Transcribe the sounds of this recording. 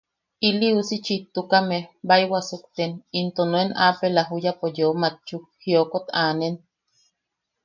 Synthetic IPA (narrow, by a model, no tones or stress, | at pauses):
iliusit͡ʃit̪ːukamebajwasukt̪enint̪onoenapelaɦujapojomat͡ʃuhiokot̪aːnen